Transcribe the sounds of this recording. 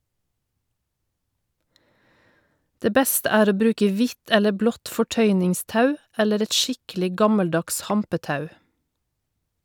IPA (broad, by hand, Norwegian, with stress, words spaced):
ˈdeː ˈbɛstə ˈæːɾ ˈoː ˈbɾʉːkə ˈʋɪt ˈɛlə ˈblɔt fɔˈʈœʏnɪŋˌstɑʉ ˈɛləɾ ˈɛt ˈʃɪklɪ ˈɡɑməlˌdɑks ˈhɑmpəˌtɑʉ